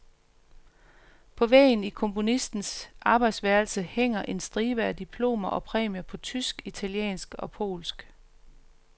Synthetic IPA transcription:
pʰɒ̽ʋɛ̰ɪnikʰɔ̽mpʰo̝nisd̥n̩sʔɑ̈ːb̥ɑ̈ɪd̥sʋæɐlsəheŋ̰ɐʔe̝nsd̥ʁiːʋəæd̥ipʰlo̝̰ːmɐʔɒ̽pʰʁɛ̰ːmjɐpʰɒ̽t͡sʰysɡ̥it͡sʰæliḛːnsɡ̥ɒ̽pʰo̝̰ːlsɡ̥

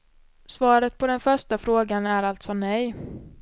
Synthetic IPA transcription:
svɑːɾət̪̚pʰɔd̪ɛnfœʂʈafɾoːɡanæɾalt̪sɔnɛj

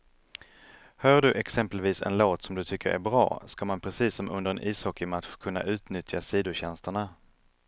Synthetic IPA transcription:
hœːɖɵʔɛksɛmpəlviːsɛ̰nloːt̪sɔmd̪ɵt̪ʰʏkːəɾæ̰bɾɑ̰ːskamanpʰɾɛsiːsːɔmʔɵ̰nd̪əɾɛnʔiːshɔkːɪmat̪ɧkʰɵnːa̰ʔʉ̟ːt̪nʏt̪ʰjasiːd̪ʊɕɛnst̪əɳa

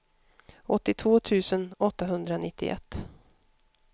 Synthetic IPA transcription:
ɔt̪ːɪt̪ʰvoːt̪ʰʉ̟ːsənɔt̪ːaɦɵnd̪ɾanɪt̪ːɪ̰ʔɛ̰t̪ː

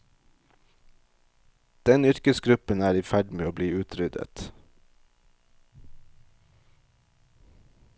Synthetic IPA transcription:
d̪̥ɛnʏɾkəsɡɾʉpənæːɾiːfæɖmeːoːbliːʉːt̪ʰɾʏd̪ə̰t̪

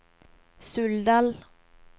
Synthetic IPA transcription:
sʉld̪al

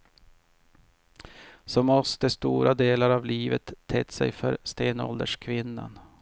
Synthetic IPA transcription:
sɔmɔst̪əst̪uːɾʔad̪eːlaɾavliːvət̪ʰːɛt̪sɛ̰jfœɾst̪eːnɔ̰ld̪əʂkʰvɪnːa̰n

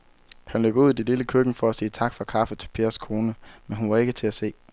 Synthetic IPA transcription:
hænlø̰ːɡ̥ɐuð̞̰ˠd̥eliləkʰøɡ̥ŋ̩fɒ̽æsiːt͡sʰɑ̈ɡ̥fɑ̈kʰɑ̈fət͡sʰe̝lpʰe̝ːɐskʰo̝ːnəmenɦunʋɑ̈e̝ɡ̥ət͡sʰe̝æse̝̰ː

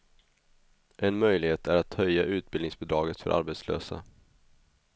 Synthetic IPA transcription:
ʔɛnmœjlɪɡheːt̪ʰæɾat̪hœjːaʔʉ̟ːt̪̚bɪlɪŋsbʊd̪ɾɑːɡət̪fœ̰ɾʔa̰ɾbɛt̪slø̰ːsa̰

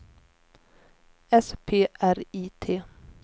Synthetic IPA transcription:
ɛspʰeːʔæɾiːt̪ʰeː

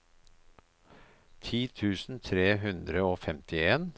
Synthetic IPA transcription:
t̪ʰiːt̪ʰʉːsn̩t̪ʰɾeːɦʉnd̪ɾəoːfɛmt̪ɪeːn

